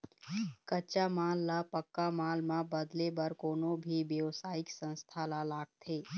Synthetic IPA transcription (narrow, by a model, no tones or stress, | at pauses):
kət͡ʃamaːlːapəkːamaːlmãbəd̪lebəɾkoːnõbʱiʋjəʋsaːɪksə̃nst̪ʰalalaːɡ̚t̪ʰeː